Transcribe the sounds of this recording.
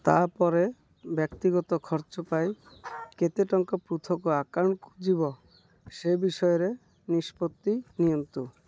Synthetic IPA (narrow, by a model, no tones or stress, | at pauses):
t̪aɾpɔɾe | bjɔkt̪iɡɔt̪ɔkʰɔɾt͡ʃɔpajket̪eʈɔŋkɔpɾut̪ʰɔkoakaɳkud͡ʒibɔ | ʃebiʃɔjeɾe | niʃpot̪ːinijont̪u